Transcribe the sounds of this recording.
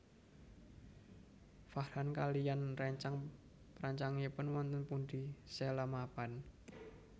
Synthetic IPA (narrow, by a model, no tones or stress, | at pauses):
fahɾankalijanrɛɲt͡ʃaŋ | pɾaɲt͡ʃaŋepənwɔnt̪ənpund̪iselamapan